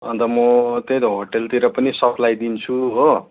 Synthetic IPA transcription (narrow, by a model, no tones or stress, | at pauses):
ʌ̰nt̪ʌmʌt̪ed̪oɦoʈelt̪iɾʌpʌnisʌpʰlajd̪int͡sʰuɦo